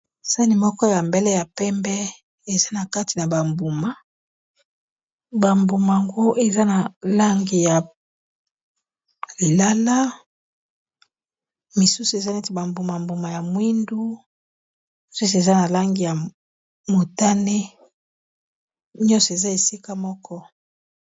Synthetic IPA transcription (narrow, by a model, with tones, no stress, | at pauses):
sa˦ni˨mɔ˦kɔ˦ja˨mbɛ˦lɛ˦ja˨pɛ˦mbɛ˦ | e˨za˦na˨ka˦ti˨na˨ba˨mbu˨ma˨ | ba˨mbu˨ma˨a˨ŋɡo˦ʔe˨za˦na˨la˦ŋɡi˨ja˨ | li˨la˦la˦ | mi˨su˦su˨e˨za˦ne˦ti˨ba˨mbu˨ma˨mbu˨ma˨ja˨mwi˦ndu˦ | i˨su˦s̬e˨za˦na˨la˦ŋɡi˨ja˨ | mo˨ta˦ne˦ | ɲɔ˦nsɔ˨e˨za˦e˨si˦ka˦mɔ˦kʰɔ˦